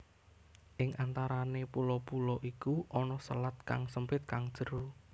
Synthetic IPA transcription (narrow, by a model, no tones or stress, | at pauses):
ʔɪŋʔant̪aɾanepulɔpulɔʔikuʔɔnɔsə̰lat̪̚ka̰ŋsəmpɪt̪̚kaŋd̥ʒ̥ə̤ɾu